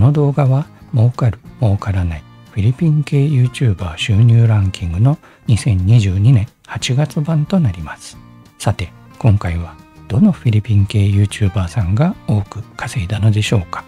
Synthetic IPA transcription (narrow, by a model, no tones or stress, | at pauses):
ono̞d̪o̞ːɡaβamo̞ːkaɾɯ̟mo̞ːkaɾanai | ɸʲiɾʲipʲĩŋke̞ːjɯ̟ːt͡ɕɨːbaːɕɨːɲ̟ʲɨːɾãŋkʲĩŋɡɯ̟no̞ | ɲ̟isẽ̞ɲ̟ɲiʑɨːɲ̟inẽ̞ | hat͡ɕiɡat͡sɨbãnt̪o̞naɾʲimasɨ̥ | sat̪e̞ | kõ̞ŋkaiβad̪̥o̞no̞ɸʲiɾʲipʲĩŋke̞ːjɯ̟ːt͡ɕɨːbaːsãŋɡao̞ːkɯ̟kʰḁseid̪ano̞d̪e̞ɕo̞ːkḁ